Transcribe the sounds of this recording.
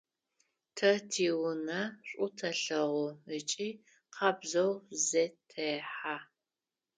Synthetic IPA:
tʰɐtʰiːwʊnɐɕʷʼʊtʰɐɬɐʁʷʊət͡ʃʼiː | qʰɑbzɐwzetʰɐħaː

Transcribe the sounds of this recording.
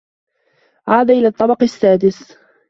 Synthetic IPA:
ʕaːd̪aʔɪlaːt̪ˤːɑbɑqsːaːd̪ɪs

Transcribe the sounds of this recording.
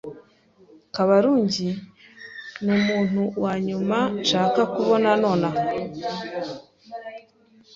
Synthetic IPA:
kaβaɾuːɲɟi | numuːn̥huwaɲumanʃaːkakuβo̞nano̞ːna

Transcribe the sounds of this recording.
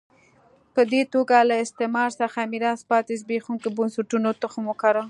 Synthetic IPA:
pəd̪et̪oɡalaɪst̪emɑɾsaxamiɾɑspɑt̪ezbexuŋkebʊnsaʈunot̪əxəmokaɾə

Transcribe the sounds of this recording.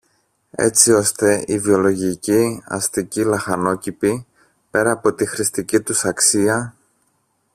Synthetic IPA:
e̞̰t͡sio̞st̪e̞ivio̞lo̞ʝiciɐ̰st̪icilɐxɐno̞cipi | pe̞ɾɐːpo̞t̪ixɾist̪icit̪usɐksiɐ

